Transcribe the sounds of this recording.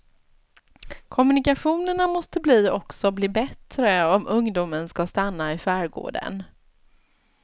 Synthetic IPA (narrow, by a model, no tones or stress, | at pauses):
kʰɔmɵnɪkaɧuːnəɳamɔst̪əbliːɔksɔbliːbɛt̪ɾəɔmʔɵŋd̪uːmənskast̪anːaɪfæːɾɡo̰ːɖə̰n